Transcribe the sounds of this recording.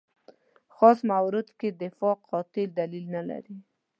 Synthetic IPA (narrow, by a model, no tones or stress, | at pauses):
xɑsmawɾɪd̪ked̪ɪfɑqʰɑt̪ɪld̪alilnala̰ɾi